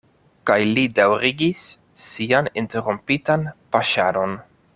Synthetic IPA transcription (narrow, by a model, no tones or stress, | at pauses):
kajlidawɾiɡisː | ianinte̞ɾumpitanpaʃaɾo̞n